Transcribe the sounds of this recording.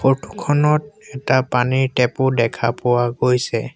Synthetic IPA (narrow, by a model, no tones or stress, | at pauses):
potʰu̥kʰɔnɔt̚ɛtapaniɹtɛpʊdɛkʰapʊwaɡojsɛ